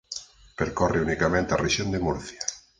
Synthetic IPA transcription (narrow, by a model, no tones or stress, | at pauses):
peɾkoreunikamẽnt̪eareʃjond̪emuɾθja